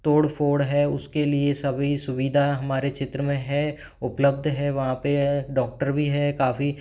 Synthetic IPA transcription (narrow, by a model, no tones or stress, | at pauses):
t̪oːɽfʰoːɽɦɛʊskeliesɐbʱisʊʋiːd̪ʱaɦɐmaːɾet͡ʃɪt̪ɾəmẽɦɛ | ʊpləb̚d̪ʱɦɛʋɐɦãpeɖɔːk̚ʈəɾbʱiɦɛkaːfi